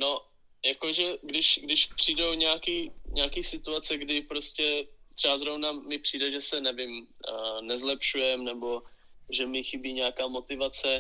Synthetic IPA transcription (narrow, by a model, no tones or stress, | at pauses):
no̞ | jakoʒɛɡdɪʃɡdɪʃpr̝̥iːdowɲɛakiːɲɛakiːsɪt̪uat͡sɛɡdɪpɾo̞scɛt̪r̥ɛbazɾo̞vnamɪpr̥iːdɛʒɛsɛnɛvɪmnɛzlɛpʃujɛmnɛbo̞ʒɛmɪxɪbiːɲɛjakaːmo̞t̪ɪvat͡sɛ